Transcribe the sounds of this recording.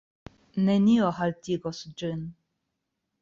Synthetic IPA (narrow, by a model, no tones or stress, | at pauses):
nenʲiɔɦalt̪ʲiɡɔsd͡ʒɨn